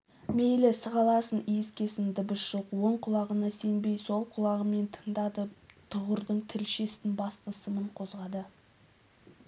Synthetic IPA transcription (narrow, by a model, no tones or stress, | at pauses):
mejlɪsəʁɑlˠɑsənijɪskʲe̞sɪnd̪ɪbɪʃʒ̥oqwo̞ɴqʰʊlˠɑʁənɑse̞nbe̞jso̞lˠqʰʊlˠɑʁəme̞nt̪ʰə̥ŋd̪ɑd̪ət̪ʰʊʁəɾd̪əɴt̪ʰɪlʃe̞st̪ɪnbɑst̪əsəməɴqʰo̞zʁɑd̪ə